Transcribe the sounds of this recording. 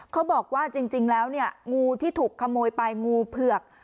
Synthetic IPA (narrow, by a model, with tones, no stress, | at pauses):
kʰːa˦˥wbɔː˨˩k̚waː˥˩t͡ɕi˧ŋt͡ɕi˧ŋlɛː˦˥wni˥˩əŋuː˧t̪ʰiː˥˩t̪ʰuː˨˩kʰːa˧moː˧jpa˧jŋuː˧pʰɯ˨˩ək̚